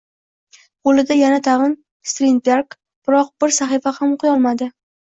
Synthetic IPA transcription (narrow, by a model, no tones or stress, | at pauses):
qolˠɪd̪ajanat̪ʰaʁɨn | st̪ɾinbeɾk | b̥ɪɾɒq̚bɪɾsaχifahamqʰʊjɒlˠmad̪ɪ